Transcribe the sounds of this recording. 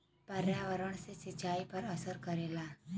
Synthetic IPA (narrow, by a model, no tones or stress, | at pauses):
pɐɾjaːʋəɾəɽ̃sesɪt͡ʃaːipɐɾɐsəɾkɐɾeːlaː